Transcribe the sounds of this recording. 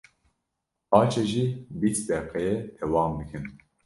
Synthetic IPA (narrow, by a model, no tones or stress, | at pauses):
ɑːt͡ʃʰeʒiːbisd̪ɛqɛjɛt̪ʰɛwɑːmbɨkʰɨn